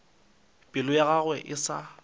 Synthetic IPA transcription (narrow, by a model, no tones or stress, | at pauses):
pʼɪlʊjaɣaɣwɛʔɪsa̰